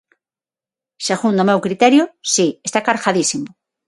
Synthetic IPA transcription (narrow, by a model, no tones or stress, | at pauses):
seɣund̪omewkɾit̪ɛɾjʊsiest̪akaɾxaðisimo